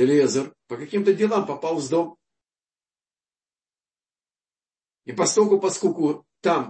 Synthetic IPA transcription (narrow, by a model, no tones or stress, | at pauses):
ɪlʲezərpəkɐkʲimt̪ədʲɪlˠampɐpalˠvzd̪om | ipɐst̪olʲkʊpɐskulʲkʊt̪am